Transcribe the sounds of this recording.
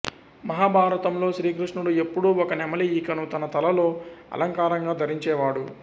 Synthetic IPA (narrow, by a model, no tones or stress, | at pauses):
mɐɦaːbʱaːɾɐt̪ɐmlo̞ːʃɾiːkɾiʂɳuɽue̞pːuɽuɔkɐnɛmɐliːkɐnut̪ɐnɐt̪ɐlɐlo̞ːɐ̰lɐŋkaːɾɐŋɡaːd̪ʱɐɾiɲt͡ʃɛːʋaːɽu